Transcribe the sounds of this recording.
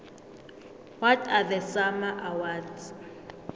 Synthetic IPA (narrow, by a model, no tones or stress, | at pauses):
wɔtʰaðəsamaʔawadz